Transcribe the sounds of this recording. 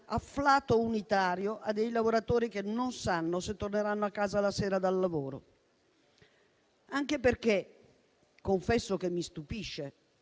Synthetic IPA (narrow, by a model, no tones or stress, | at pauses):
aflaːt̪ounit̪aːɾjoʔad̪ːejlavoɾat̪oːɾikenːonsanːoset̪ːorneɾanːoakːaːzalasɛːɾad̪alːavoːɾo̰ | aŋkeperk̟e | koɱfɛsːokemːist̪upiʃːe